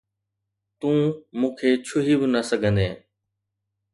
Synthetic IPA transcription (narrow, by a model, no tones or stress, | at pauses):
t̪ũːmũːkʰeːt͡ʃʰʊɦibɪnəsəɡʱə̃nd̪eː